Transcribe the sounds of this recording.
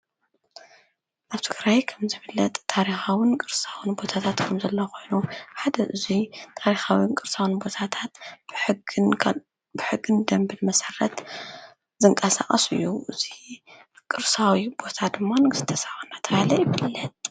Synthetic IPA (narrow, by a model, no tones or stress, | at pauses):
ʔaβt̪ʰɨɡɾajkʰɐmzɨβɨlːɐt̪ʼt̪ʰːaɾixawɨnkʼɨɾsawɨnbo̞t̪ʰat̪ʰat̪kʰɐmzɐlːɐkʰo̞jnuħad̪ɐʔɨzit̪ʰaɾixawinkʼɨɾsawɨnbo̞t̪ʰat̪ʰat̪b̥ʰ | bɨħɨɡːɨnd̪ɐmbɨlmɐsɐrːɐt̪ | zɨŋkʼɐsa̰χʼɐsɨ̰jːuʔɨz̥i | kʼɨɾsawibo̞t̪ʰad̪ɨmːanɨɡɨst̪ʰɐsawunat̪ʰɐβalɐjɪβɨlːɐt̪̚